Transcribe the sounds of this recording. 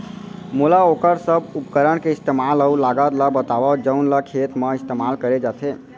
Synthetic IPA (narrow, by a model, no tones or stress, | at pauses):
mulaokəɾsəbupkəɾənkeist̪emaləulaɡət̪ləbət̪aʋəd͡ʒəunləkʰet̪məist̪emalkəɾed͡ʒat̪ʰe